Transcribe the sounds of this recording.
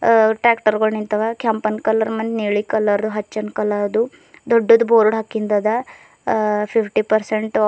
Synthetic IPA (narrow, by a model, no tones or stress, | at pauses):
ʈɾaːkʈɐɾɡɐɭnint̪ɐʋakjampɐnkɐlɐɾmɐnd̪niːɭikɐlːɐɾd̪uɦɐt͡ʃːɐnkɐlɐɐd̪u | d̪ɔɖːod̪uboːɾuɽɦɐkːind̪ɐd̪ɐ | pʰipʰʈipɐɾseɳʈ